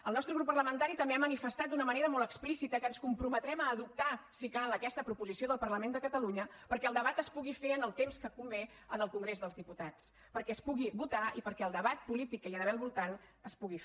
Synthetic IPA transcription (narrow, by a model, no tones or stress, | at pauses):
əlˠnɔst̪ɾəɣɾupːərləmənt̪aɾit̪əmbeamənifəst̪at̪̚d̪unəməneɾəmɔlˠt̪əksplisit̪əkənskumpɾumət̪ɾɛməːðup̚t̪asikanləkɛst̪əpɾupuzisioðəlˠpərləmend̪əkət̪əluɲəpəɾkɛəlˠd̪əβ̞at̪əspuɣifeənəlˠt̪emskəkumbɛ | ənəlˠkuŋɡɾezðəlzðiput̪at͡s | pəɾkɛəspuɣiβut̪aipəɾkɛəlˠd̪əβat̪̚pulit̪ikːəiəðəβɛlˠβulˠt̪anəspuɣif